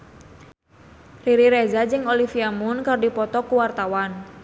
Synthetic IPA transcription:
riɾiɾezad͡ʒɨŋolifiamunkərdipɔt̪ɔkuwart̪awan

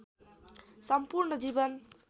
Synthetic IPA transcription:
sʌmpurɳʌd͡zibʌn

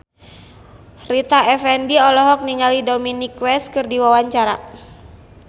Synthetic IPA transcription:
rit̪aʔɛfɛndiɔlɔɦɔk̚niŋalidominikwɛskɨrdiwawaɲt͡ʃaɾa

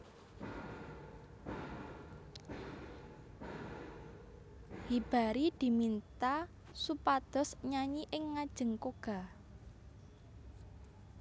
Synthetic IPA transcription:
hib̥a̤ɾid̪̥i̤mint̪a | supad̪̥ɔ̤sɲaɲiʔɪŋːad̥ʒ̥ə̤ŋkoɡ̥a̤

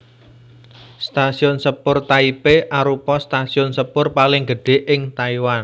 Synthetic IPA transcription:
st̪asiʊnsəpʊrt̪aipeʔaɾupɔst̪asiʊnsəpʊrpalɪŋɡəɖ̥e̤ʔɪŋt̪aiwan

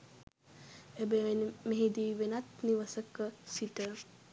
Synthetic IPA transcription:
ebeenmeɦid̪iːʋenat̪niʋəsəkəsiʈə

